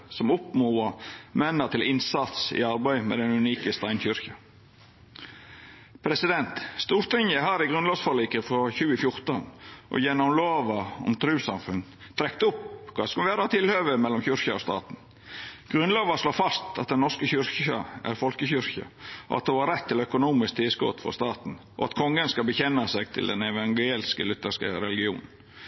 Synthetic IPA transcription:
sɔmʊpmuːɑmɛnːət̪ʰɪlɪnsɑt̪sɪ̰ɑɾbæɪmɛ̰d̪ɛnʉniːkəst̪æɪnɕʏɾçɑ | pʰɾɛsɪd̪ɛnt̪st̪uːɾt̪ʰɪŋəɦɑːɾɪɡɾʉnlɑːʋsfɔliːkəfɔɾçʉːəfjʊɾt̪ənʔɔ̰jɛnɔmloːʋɑɔ̰mt̪ʰɾʉːsɑmfʉn | t̪ʰɾɛkt̪əʊpkʰʋɑ̰ːskɑʋæːɾɑɑt̪ʰɪlhøːʋəmɛlːɔmçʏɾçɑɔst̪ɑ̰ːt̪n̩ | ɡ̥ɾʉnloːʋɑʂloːfɑst̪ɑ̰t̪̚d̪ɛnnɔɾskəçʏɾçɑ̰æ̰ɾfɔlkəçʏɾçɑ̰ɔ̰ɑ̰t̪hʊnhɑɾɛt̪ʰːɪlœkʊnuːmɪsk̚t̪ʰɪlskɔ̰t̪fɔ̰st̪ɑːt̪n̩ʔɔ̰ɑt̪kʰɔŋːənskɑlbəçɛnːɑsɛɡ̚t̪ʰɪ̰ld̪ɛ̰nɛʋɑŋɡelskəlʏt̪ːəskə̰ɾɛlɪɡɪṵːnn̩

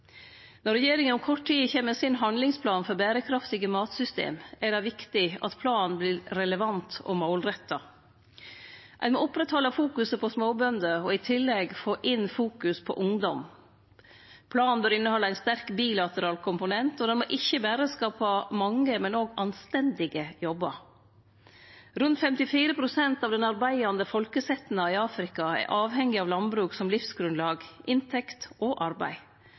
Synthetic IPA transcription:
nɔɾɛjeːɾɪŋənɔmkʰɔʈʰːiːçeːməsɪnɦɑnlɪŋspʰlɑːnfɔɾbæːɾəkʰɾɑft̪ɪɡəmɑːt̪sʏst̪ḛːmæɖɑʋɪkt̪ɪɑ̰t̪pʰlɑːnblɪɾɾɛləʋɑnt̪ɔ̰maʊlɾɛt̪ːɑ | ʔæ̰ɪnmoʊpɾɛt̪hɔlːəfuːkʉsəpʰɔsmoːbœnd̪əɔɪt̪ʰɪlːɛɡfoːʔɪnfuːkʉspʰɔ̰ʔʊŋd̪ɔm | pʰlɑːnbøːɾɪnːəhɔlːəæɪnst̪æɾkbiːlɑt̪əɾɑːlkʰʊmpʊnɛnt̪ɔd̪ɛnmoʔɪçəbæːɾəskɑːpɑmɑŋːəmɛnoːɡɑnst̪ɛnd̪ɪɡəjɔbːəɾ | ɾʉnt̪fɛmt̪ɪfiːɾəpʰɾʊsɛnt̪ɑːʋd̪ɛnɑɾbæɪɑnd̪əfɔlkəsɛt̪n̩ɑɪɑːfɾɪkɑɛ̰ɾʔɑːʋhɛŋːɪɑːʋlɑnbɾʉːksɔmlɪfsɡɾʉnlɑːɡʔɪnt̪ʰɛkt̪ʔɔʔɑɾbæ̰ɪ

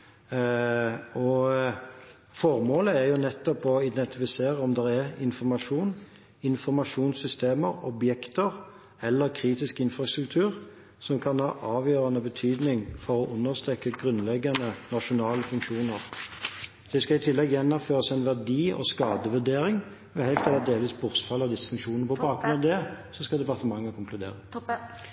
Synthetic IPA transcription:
ɔ | fɔʁmoːləæɾjʊnɛt̪ːɔpɔɪd̪ɛnt̪ɪfɪseːʁəɔmd̪ɛɾæʁɪnfɔʁmɑʂuːn | ɪnfɔʁmɑʂuːnsʏst̪eːməɾɔbjɛkt̪əʁ | ɛlːəɾkʰɾiːt̪ɪskɪnfʁɑst̪ɾʉk̚t̪ʰʉːʁ | sɔmkʰɑnhɑːʔɑːʋjøːʁɑnəbət̪ʰyːd̪nɪŋfɔʁɔʔʉnːəʁst̪ʁɛkːəɡʁʉnlɛɡːɑnənɑʃʊnɑːləfʉŋkʂuːnəʁ | d̪̥ɛskɑɪt̪ʰɪlːɛɡjɛnːɔmføːʁəsæɪnʋæʁd̪iːɔ̰skɑːd̪əʋʉʁd̪eːɾɪŋ | ʋɛhæɪt̪eːlɑd̪eːləʋiːsbʊʁsfɑlːəd̪ɪsːə̥fʉŋkʃuːnnəpʰɔbɑːɡɡɾʁʉnɑʋd̪ɛsɔskɑld̪ɛpɑʁt̪əmɑŋːəkʰʊŋkʰlʉd̪ḛːʁə

